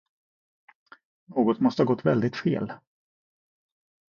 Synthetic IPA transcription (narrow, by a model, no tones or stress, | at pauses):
noːɡɔt̪mɔst̪əhɑːɡɔt̪ːvɛld̪ɪt̪fḛːl